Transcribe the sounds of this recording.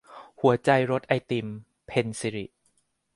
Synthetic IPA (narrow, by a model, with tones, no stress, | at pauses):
hu˨˩˦ɐt͡ɕa˧jɾo˦˥t̪̚ʔa˧jt̪i˧m | pʰe˧nsi˧ɾḭ˨˩ʔ